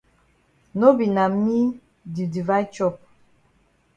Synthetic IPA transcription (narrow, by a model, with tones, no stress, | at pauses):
no˦bi˨na˨mi˦ | di˨di˨va˦t͡ʃɔ˦˨p̚